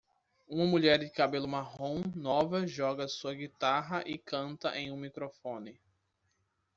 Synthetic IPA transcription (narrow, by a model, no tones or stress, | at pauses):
ũmɐmuʎɛɾd͡ʒɪkabelʊmaɦõw̃nɔvɐʒɔɡɐsuɐɡit̪aɦɐʔɪkɐ̃nt̪ɐʔẽj̃ũmikɾofõnɪ